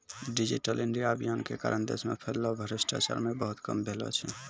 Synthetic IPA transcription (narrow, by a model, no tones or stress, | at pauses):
ɖid͡ʒiʈəliɳɖijabʱijankeka̰ːɾʔənd̪ḛsmepʰeɾlɔbʱəɾisʈa̰t͡ʃa̰ɾmebəɦut̪kə̰mbʱelɔ̰t͡ʃʰɛ